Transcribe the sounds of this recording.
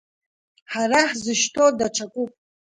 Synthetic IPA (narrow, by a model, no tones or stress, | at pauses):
ħaraħzɨʃtʰodaʈ͡ʂʰakʷʼupʼ